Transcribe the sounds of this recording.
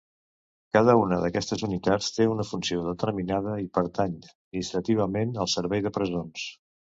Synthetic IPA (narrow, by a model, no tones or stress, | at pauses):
kaðəunəðəkɛst̪əzunit̪at͡st̪eunəfunsioðət̪əɾminað̞əipəɾt̪aɲəminist̪ɾət̪iβ̞əmenəlˠsəɾβɛjðəpɾəzons